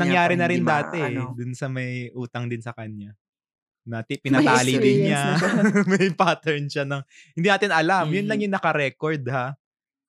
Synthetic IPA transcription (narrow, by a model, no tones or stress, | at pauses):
nɐŋjaːɾɪnɐɾɪnd̪aːt̪ɛd̪ʊnsɐmɐjʔuːt̪ɐŋd̪ɪnsɐkɐɲːa | nɐt̪ɪpɪnɐt̪aːlɪd̪ɪnɲamɐjpaːt̪ɛɹnʃanɐŋ | hɪ̃nd̪iːnaːt̪ɪnʔɐlamjʊnlɐŋjʊŋnɐkɐɾɛːkoɹd̪ha